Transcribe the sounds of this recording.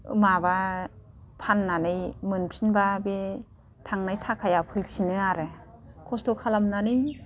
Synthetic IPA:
ɯ̰maba | pʰanːanɯjmɯnpʰinbabe | tʰaŋnajtʰakʰajapʰɯjsinɯaɾɯ | kʰɔstɔkʰalamnanɯj

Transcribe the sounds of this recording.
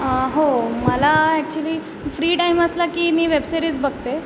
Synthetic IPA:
əɦoməlaɛk̚t͡ɕuəliː | fɾiːʈaiməslakiːmiːʋebseɾiːt͡sbəɡ̚t̪e

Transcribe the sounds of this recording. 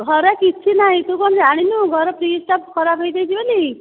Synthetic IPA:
ɡʱɔɾakit͡ʃʰinaɦĩt̪ukɔnd͡ʒaɽ̃inuɡʱɔɾɔpɾisʈap̚kɔɾabʱejd̪ejt͡ʃʰibɔli

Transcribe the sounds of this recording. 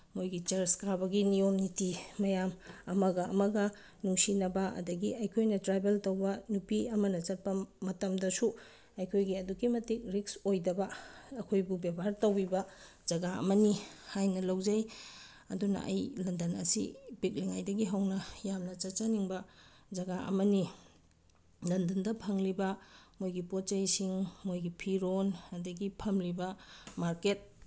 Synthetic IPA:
mojɡit͡ʃɐɾskɾabɐɡinijomnitimɐjamɐmɐɡɐɐmɐɡɐ | nuŋsinɐbɐɐ̰dɐɡiɐjkʰojnɐtɾajbeltɐwbɐnupiɐmɐnɐt͡ʃɐt̚pɐmɐtɐmdɐsu | ɐjkʰojɡiɐdukimɐtik̚ɾiksojdɐbɐɐkʰojbubebʱaɾtɐwbibɐ | d͡ʒɐɡaɐ̰mɐnihajnɐlɐwzɐj | ɐ̰dunɐ̰ʔɐ̰jlɐndɐnɐ̰sḭbik̚liŋajdɐɡiɦawnɐjamnɐt͡ʃɐt͡ʃɐniŋbɐ | d͡ʒɐɡaʔɐ̰mɐni | lɐndɐndɐpʰɐŋlibɐmojɡipot̚t͡ʃɐjsiŋmojɡipʰiɾonɐdɐɡipʰɐmlibɐmaɾket̚

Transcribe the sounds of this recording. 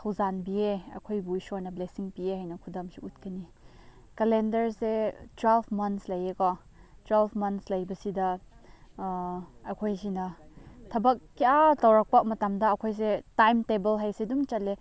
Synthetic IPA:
kʰɐwzanbieɐ̰kʰojbuisojnɐblesiŋpieɦajnɐkʰudɐmsiut̚kʰɐni | kɐlendɐɾsetwelbʰmɐntslɐjekɔ | twelbʰmɐnslɐjbɐsidɐ | ɐkʰojsinɐtʰɐbɐk̚ːiatɐwɾɐk̚pɐmɐtɐmdɐːkʰojs̬etajmtebɐlɦajsedumt͡ʃɐt̚le

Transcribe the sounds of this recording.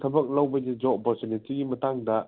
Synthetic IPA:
tʰɐbɐk̚lɐwbɐd͡ʒid͡ʒɔbɔsenetiɡimɐtaŋdɐ

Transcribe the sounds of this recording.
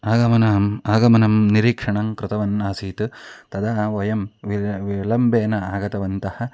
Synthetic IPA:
aːɡɐmɐnɐmaːɡɐmɐnɐmniɾiːkʂɐɳɐŋkɾɪt̪ɐʋɐnːaːsiːt̪ɨt̪ɐd̪aːʋɐjɐmʋiʋlɐmbʱeːnɐaːɡɐt̪ɐʋɐnt̪ɐhɐ

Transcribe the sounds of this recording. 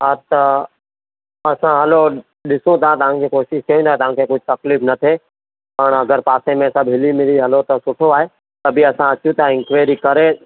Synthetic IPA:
aːt̪ɐ | ɐsãɦɐlo | ɗɪsõt̪aãt̪ɐʋ̤ãŋkʰekoːʃɪʃkɐjũnd̪aːet̪ɐʋ̤ãkʰekʊd͡ʑʱt̪ɐklifnɐt̪ʰe | pɐɳ̃ɐɡəɾpaːsẽmẽsɐbʱɦɪlimɪliɦɐlot̪ɐsʊʈʰoaːɦe | t̪ɐbʱiɐsãɐt͡ʃjũt̪ʰaɪ̃ŋkʋaːɾikɐɾe

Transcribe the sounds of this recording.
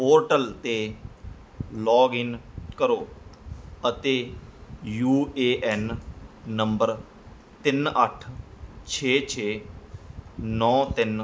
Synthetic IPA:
poːɾʈəlt̪eː | lɔːɡɪnkəɾoː | ət̪eː | juːeːʔɛnː | ə̃mbəɾ | t̪ɪnəʈʰt͡ʃʰeːt͡ʃʰeː | nɔ̃ːt̪ɪn

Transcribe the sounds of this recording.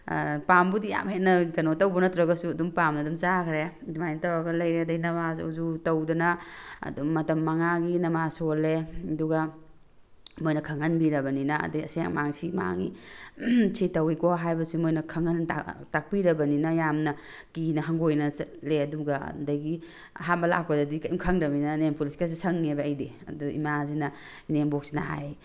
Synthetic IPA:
pambudija̰mhenɐɡɐnotɐwbɔnɐt̪ɾɐɡɐsuɐdumpamnɐdumt͡ʃakʰɾedimajnɐtawaɡɐlɐjɾeɐdɐjnɐbao̰zutɐwdɐnɐ̰dumːɐtɐmːaŋaɡinɐmasoleduɡa | mojnɐkʰɐŋɐnbiɾɐbɐninɐ̰dɐjɐ̰sa̰ŋmaŋsima̰ŋḭ | sʰitɐwikɔɦajbɐsimojnɐkʰɐŋɐnatak̚piɾɐbɐninɐjamnɐ | kinɐɦaŋɡojnɐleɐduɡa̰dɐjɡi | ɦambɐla̰k̚padɐdikɐʔimkʰɐŋɾɐminɐnempuliskas̬isʰɐŋːebaːjdeɐ̰duḭmazinɐ | inembok̚sina̰ɦa̰j

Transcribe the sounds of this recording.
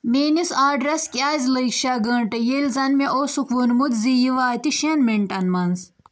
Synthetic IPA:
meːnisaːɖɾɐskʲaːzʲlɐjkʃaɡəːɳʈɐjelzɐnmeʔoːsukʋunmut̪zijiʋaːt̪iʃɐnmiɳʈɐnmɐnz

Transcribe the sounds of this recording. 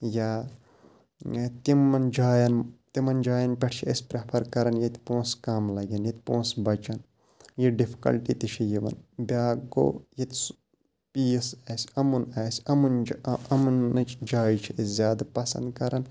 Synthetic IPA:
jaː | t̪imɐnd͡ʒaːjɐnt̪imɐnd͡ʒaːjɐnpʲeʈʰt͡ʃʰiɐsʲpɾepʰɐɾkɐɾɐnjɐt̪ʲpõːskɐmlɐɡɐnjɐt̪̚ʲpõːsbɐt͡ʃɐn | jiɖifʰi̥kɐ̰lʈit̪it͡ʃʰijiʋɐ̰nbʲaːɡo̰ːjit̪ʲs | pijsɛːsʲɐmunaːsʲɐmund͡ʒɐmunɐt͡ʃd͡ʒaːjit͡ʃʰiezʲjaːd̪apɐsɐ̰̃nd̪kɐɾɐn

